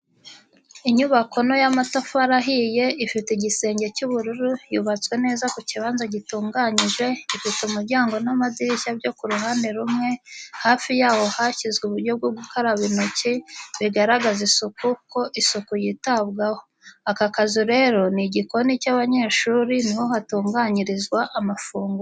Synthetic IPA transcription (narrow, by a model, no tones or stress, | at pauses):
iɲuβako̞no̞jamatafaɾaɦije̞ifiteɟise̞ːɲɟe̞cuβuɾuɾujuβat͡swe̞ne̞ːzakuciβaːnzaɟituːŋɡaɲiʒwe̞ifiteumuɾɟaːŋɡo̞namadiɾiçabɟo̞kuɾuɦaːndeɾumŋe̞haːfijaːho̞haçizɡuβuɾɟo̞b̚ɡoɡukaɾaβinociβiɡaɾaɡazisukuko̞ʔisukujitaβɡaho̞ | akakazuɾe̞ɾo̞niɟiko̞nicaβaɲe̞ːʃuːɾiniho̞hatuːŋɡaːɲiɾizɡwaʔamafuːŋɡu